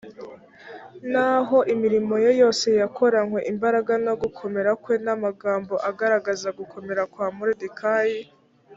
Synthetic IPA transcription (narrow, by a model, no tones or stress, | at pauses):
naɦo̞ʔimiɾimo̞jojo̞ːse̞jako̞ɾaŋwe̞ʔimbaɾaɡano̞ɡukʰo̞me̞ɾakwe̞namaɡaːmbo̞ʔaɡaɾaɡazaɡukʰo̞me̞ɾakwaːmuɾidikʰaji